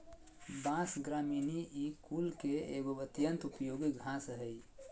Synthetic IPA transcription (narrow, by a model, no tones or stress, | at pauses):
bãsɡɾaminiʔikulkeeɡoət̪jənt̪upjoɡiɡʱãsɦəj